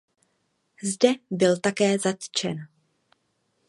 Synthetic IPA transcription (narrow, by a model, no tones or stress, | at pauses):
zdɛbɪlt̪akɛːzat̪t͡ʃɛ̰n